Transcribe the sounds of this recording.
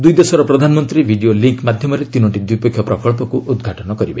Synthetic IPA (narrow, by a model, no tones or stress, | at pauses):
d̪ujd̪esɔɾɔpɾɔd̪ʱanɔmɔnt̪ɾibʱiɖioliŋkmad̪ʱjɔmɔɾet̪inɔʈid̪wujpekʰːjɔpɾɔkɔɭpɔkuʔud̪ɡʱaʈɔnɔkɔɾibe